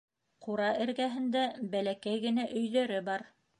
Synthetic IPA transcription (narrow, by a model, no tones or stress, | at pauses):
quɾɑʔɘ̆ɾɡæɦɘ̆nd̪æbælækæjɡɘ̆næʔɵ̆jðœɾɘbɑɾ